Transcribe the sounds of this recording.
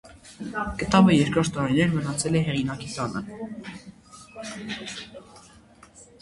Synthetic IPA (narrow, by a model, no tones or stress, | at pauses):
kət̪ɑvəjɛɾkʰɾɔɾt̪ːɑɾinɛɾmənɑt͡sʰɛlɛɦɛʁinɑkit̪ɑnʔə̰